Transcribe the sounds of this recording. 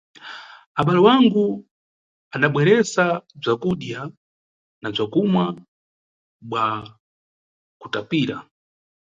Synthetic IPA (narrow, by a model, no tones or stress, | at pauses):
aɓalɔwaŋɡu | anaɓwɛɾɛsab͡ʐakuɗja | nab͡ʐakumwa | ɓwa | kutapiːɾa